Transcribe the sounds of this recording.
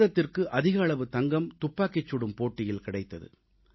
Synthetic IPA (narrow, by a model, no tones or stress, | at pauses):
ɾɐt̪ːɪrkɯʔɐðɪɣɐːɭɐʋɯt̪ɐŋɡɐmt̪ʊpːaːkɛt͡ʃːʊɽɯmpoːʈːɪjɪlkɪɽɐɪt̪ːɐðɯ̰